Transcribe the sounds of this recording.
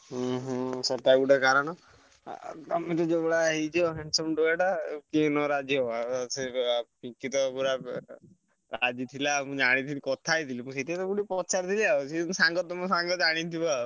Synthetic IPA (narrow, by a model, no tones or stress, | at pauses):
ɦɦɔ̃sɔʈ̪ajbuʈekaɾɔñɔ̰ | t̪amet̪ɔd͡ʒebɔɽaɦet͡ʃʰɔɦeɳsɔmɖoeʈakenɔɾad͡ʒiɦɔbasepĩkit̪ɔpuɾa | ɾad͡ʒit̪ʰilamũd͡ʒaɽ̃it̪ʰilikɔt̪ʰajt̪ʰilipũseʈiat̪ɔkuɽipɔt͡ʃaɾt̪ʰiliaot͡ʃʰisaŋɡɔt̪ːɔmɔ̃saŋɡɔt̪d͡ʒaɽ̃it̪iba